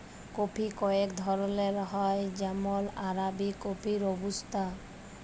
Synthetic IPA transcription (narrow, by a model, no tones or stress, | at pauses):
kopʰikɔekd̪ʱɔɾɔleɾɦɔjd͡ʒamɔlaɾabikopʰiɾobust̪a